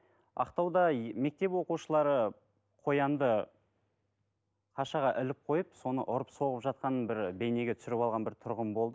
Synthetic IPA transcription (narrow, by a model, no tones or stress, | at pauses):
ɑ̰qt̪ɑwd̪ɑme̞k̚t̪e̞pwo̞quʃəlˠɑɾə | qʰo̞jɑnd̪ə | qʰɑʃɑʁɑʔɪlɪp̚qʰo̞jəpso̞nə̰ʔʊɾəpso̞ʁəpʒɑt̪̚qɑnəbɪɾbe̞jne̞ɡʲet̪ʰsɪɾɪpɑlˠʁɑnbɪɾt̪ʰʊɾʁəmbo̞lˠd̪ə